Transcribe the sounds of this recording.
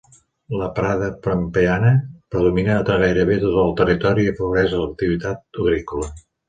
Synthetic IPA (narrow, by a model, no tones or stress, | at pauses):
ləpɾaðəpɾəmpeanəpɾəðuminəːt̪əɣ̞ajɾəβet̪ot̪əlˠt̪ərit̪ɔɾiəpəɾuɣɾɛzələk̚t̪iβit̪at̪̚uɣɾikulə